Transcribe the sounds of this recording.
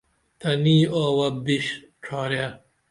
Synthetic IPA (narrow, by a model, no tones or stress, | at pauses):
t̪ʰɐniːoːwɐbiɕ | ʈ͡ʂʰaːɾja